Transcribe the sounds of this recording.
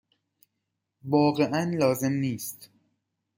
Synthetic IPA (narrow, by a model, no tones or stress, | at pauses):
vɒːɣe̞ʔænlɒːze̞mniːst̪